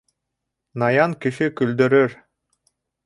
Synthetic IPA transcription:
nɑjɑnkiʃikɵld̪øɾøɾ

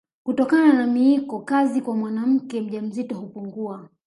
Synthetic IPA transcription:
kutɔkananamiikɔkazikwamwanam̩kɛm̩ʄam̩zitɔhupuŋɡua

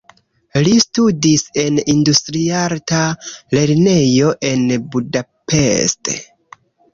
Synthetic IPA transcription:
listudise̞nindustɾiaɾtale̞ɾne̞jo̞ʔe̞nbudape̞̰stḛ

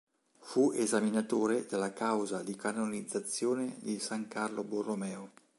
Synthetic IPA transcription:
fuezaminat̪oːɾed̪elːakawzad̪ikanonid̪zːat̪sːjoːned̪isaŋkarloboromɛːo

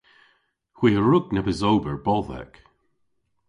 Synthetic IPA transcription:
hw̥iːəɹuk̚nɛbəzowbəɹbɔlˠðɛ̰k

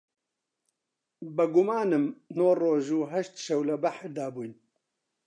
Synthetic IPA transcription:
bɐɡumaːnɨmnoːroːʒuːɦɐʃt̪ʃɐwlɐbaħɾd̪aːbuːjn

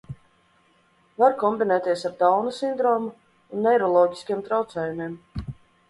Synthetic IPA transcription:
vaɾkɔmbinɛːt̪iɛsaɾd̪awnusind̪ɾɔːmu | unːɛjɾɔlˠɔːɟi̥skʲiɛmt̪ɾawt̪sɛːjumiːm

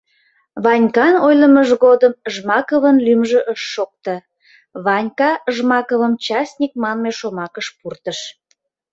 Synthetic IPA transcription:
βɑnʲkɑnojləməʒɣod̪əmʒmɑkəβənlymʒəʔəʃːok̚t̪ə | βɑnʲkɑəʒmɑkəβəmt͡ɕɑsʲnʲik̚mɑnmeʃomɑkəʃpurt̪əʃ

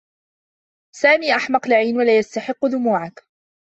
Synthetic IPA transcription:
saːmiːʔaħmɑqlɪʕiːnwalaːjast̪aħɪqːðʊmuːʕak

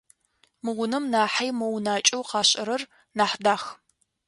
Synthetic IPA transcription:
mɨʁʷʊnɐmnaːħajmɐwnaːt͡ʃʼɐwqɑːɕʼɐ̰ɾɐr | naːħdaːx

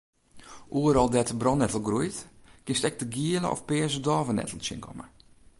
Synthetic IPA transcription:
ʔuəɾɔlˠdɛtbrɔnɛtəl̩ˠɡrujtkɪnstɛk̚təɡiələ̰ɔ̰fpɛːəzədɔːvənɛ̰təl̩sɪ̰nkʰɔ̰mə̰

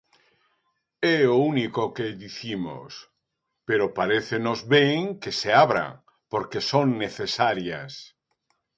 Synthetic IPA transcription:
ɛounikokeðiθimo̰s | peɾopaɾeθenozβeŋkeseaβɾa̰ŋ | poɾkesoŋneθesaɾjas

